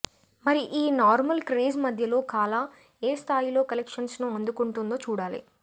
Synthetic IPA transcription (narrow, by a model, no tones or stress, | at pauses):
mɐɾiʔiːnaːɾmɐlkɾeːd͡ʒmɐd̪ʱjɐlo̞ːkaːlaː | eːst̪ʰaːjilo̞ːkɐlekʂɐnsnuɐnd̪ukuɳʈund̪o̞ːt͡ʃuːɽaːlḭ